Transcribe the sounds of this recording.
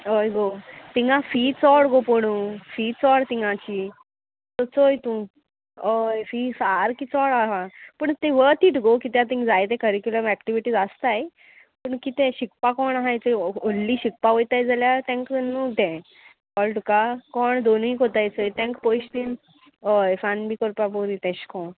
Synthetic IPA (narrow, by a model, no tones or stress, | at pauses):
ojɡot̪iŋɡãfiːt͡sɔɽɡopoɽ̃uːfiːt͡sɔɽt̪iŋɡãt͡ɕiː | t̪ɔt͡sojt̪ũ | ojfiːsaɾkiːt͡sɔɽaɦãpəɳt̪eʋət̪iːʈɡokit̪jat̪ĩŋkd͡zajt̪̬ẽkəɾikjuləmækʈiʋiʈiːd͡zast̪aj | pəɳkit̪ẽɕikpakɔɳɦãjt̪eolːiːɕik̚paʋojt̪ajd͡zaljat̪ɛ̃ŋknũːt̪ɛ̃ | kɔlʈukakɔɳd̪onĩkot̪ajt͡səjt̪ɛ̃ŋkpojɕt̪in | əjfanbiːkɔɾpaboɾĩt̪ɛ̃ɕkɔ̃